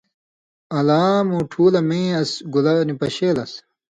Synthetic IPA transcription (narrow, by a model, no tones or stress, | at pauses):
ɐlaːmũːʈʰuːlɐmẽːɐsɡulɐnipɐɕeːlɐs